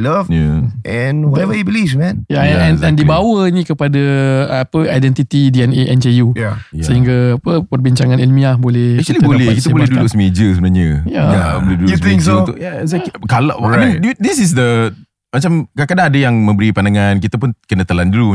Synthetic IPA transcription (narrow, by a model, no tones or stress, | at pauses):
lafjaʔɛ̃nwaɛvəibilivmɛ̃njaɛnɛndibawənĩkəpadapəajdɛnt̪it̪idiɛneʔɛnd͡ʒejujasəɦiŋɡaːpəpərbiɲt͡ʃaŋãnilmĩabolɛhɛk̚t͡ʃualibolɛkit̪əabolɛdudʊksəmed͡ʒəsəbənaɲəjajabolɛdud̪ed͡ʒəunt̪ʊʔjaɛsakala̰ʔamĩndidisis̬də | mat͡ʃamkakadaːdəjaŋmə̃mbəɾipandaŋankit̪əpʊnkənət̪əlandulu